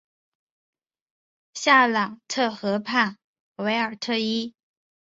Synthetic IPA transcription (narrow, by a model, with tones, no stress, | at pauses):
ɕja˥˩lɑ˨˩ŋtʰɤ˥˩xɤ˧˥pʰa˥˩n | we˧˥ɪə˞˨˩t̪ʰɤ˥˧i˥